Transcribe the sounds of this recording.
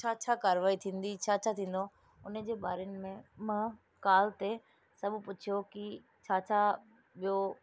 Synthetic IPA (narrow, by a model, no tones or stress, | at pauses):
t͡ɕʰaːt͡ɕʰaːkaːɾʋaːit̪ʰĩːn̆d̪it͡ɕʰaːt͡ɕʰaːt̪ʰĩːn̆d̪o | ʊnə̆d͡ʑeːɓaːɾenɪ̆mẽmɐ̃ | kaːlt̪e | sɐbʊpʊt͡ɕʰijoki | t͡ɕʰaːt͡ɕʰaː | ɓijo